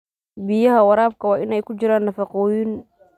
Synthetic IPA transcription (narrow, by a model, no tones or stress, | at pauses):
bɪjɐɦɐwɑɾaːb̚kʰɐwaːʔɪnɛjkʊd͡ʒɪɾaːnːɐfɑqɔːjiːn